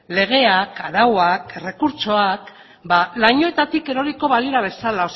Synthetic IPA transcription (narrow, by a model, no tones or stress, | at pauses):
le̞ɣ̞e̞akaɾawakre̞kuɾt͡ʃo̞ak | balaɲo̞e̞t̪at̪ike̞ɾo̞ɾiko̞βaliɾaβ̞e̞salaos